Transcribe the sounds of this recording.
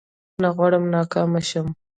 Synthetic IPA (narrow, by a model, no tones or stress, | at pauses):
naɣwɑɽəmnɑːkɑːmaʃəm